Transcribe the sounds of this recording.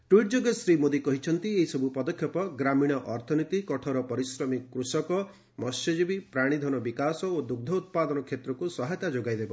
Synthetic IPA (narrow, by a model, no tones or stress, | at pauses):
ʈwiʈ̚d͡ʒoɡɔsɾimod̪ikɔɦit͡ʃʰɔnt̪ieɦisɔbʱupɔd̪ɔkʰjɔpɔɡɾamiɽ̃ɔʔɔɾt̪ʰɔnit̪ikɔʈʰɔɾɔpɔɾisɾɔmikkɾusɔkɔ | mɔsjɔd͡ʒibipɾaɽ̃id̪ʱɔnɔbikasɔod̪uɡ̚d̪ʱɔut̪̚pad̪ɔnɔkʰet̪ɾɔkusɔɦajt̪ad͡ʒoɡajd̪ebɔ